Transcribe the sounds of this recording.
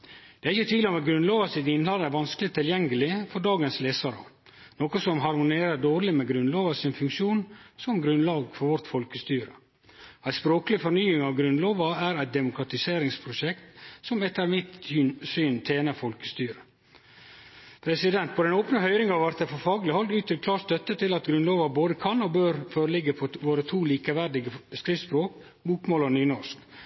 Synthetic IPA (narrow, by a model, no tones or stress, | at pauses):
d̪̥ɛæɾɪçət̪ʰʋiːlɪɔmɛɡɾʉnloːʋɑsɪt̪ɪnlɑləæɾʋɑnskəlɪt̪ʰɪljɛŋɡəlɪfɔɾɖɑːɡənsleːsɑɾɑ̰ | noːkɔsɔmɦɑɾmʊneːɾəɖoːɾlɪmɛɡɾʉnloːʋɑsɪnfʉŋkʃuːnsɔmɡɾʉnlɑːɡfɔɾʋɔɾt̪fɔlkəst̪yːɾə | æɪspɾoːkəlɪfɔɾnyːɪŋɑʋɡɾʉnloːʋɑæɾæɪt̪̚d̪ɛmʊkɾɑt̪ɪseːɾɪŋspʰɾʊʃɛkt̪sɔmɛt̪ːəɾmɪt̪ːsyːnt̪ʰeːnəfɔlkə̥st̪yːɾə | pʰɾɛsɪd̪ɛnt̪̚pʰɔd̪ɛnoːpnəhœʏɾɪŋɑʋæɾt̪əfɔfɑːɡlɪhɔld̪ʉːt̪ːɪlkʰlɑːɾst̪œt̪ːət̪ʰɪlɑt̪ɡɾʉnloːʋɑboːd̪əkʰɑnɔbøːɾføːɾəlɪɡːəpʰɔʋoːɾət̪ʰuːliːkəʋæɾɖɪɡəskɾɪspɾoːk̚ | buːkmoːlənyːnɔʂk